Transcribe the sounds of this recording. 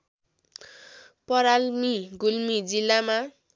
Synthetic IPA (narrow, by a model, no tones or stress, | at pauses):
pʌɾalmiɡulmid͡zilːama